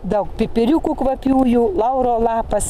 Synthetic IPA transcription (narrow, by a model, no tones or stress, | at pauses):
d̪ɐʊkpʲɪpʲɪɾʲukukʋɐpʲuːjuːlˠɐʊɾoːlˠɑːpɐs